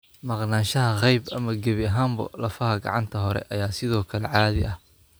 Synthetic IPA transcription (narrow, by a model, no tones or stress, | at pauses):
mɑqnaːnʃɐɦɐqɛjbʔɐmɐɡɐβɪɐɦaːmbɐ̰lɐfɐhɐɡɑ̰ʕɑnt̪ʰɐɦɔɾɛ̰ʔɐjaːsɪðɔːkʰɐlɛʕaːðɪʔɐh